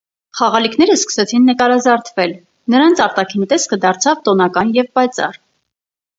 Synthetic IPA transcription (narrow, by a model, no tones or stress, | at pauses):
χɑʁɑlikʰn̪ɛɾəskə̥sɛt͡sʰinːəkɑɾɑzɑɾt̪ʰvɛl | nəɾɑnt͡sʰɑɾt̪ɑkʰint̪ɛskəd̪ɑɾt͡sʰɑvt̪ɔnɑkɑnjɛvpɑjt͡sɑ̰r